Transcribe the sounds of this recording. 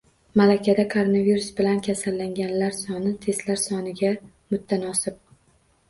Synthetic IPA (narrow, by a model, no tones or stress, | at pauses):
malakʲʰad̪akʰoɾonaviɾusbɪlankʲʰasalːaŋɡʲanlaɾsɒnɪt̪ʰe̞st̪laɾsɒnɪɡʲa | mʊt̪ʰːanɒsɪp̚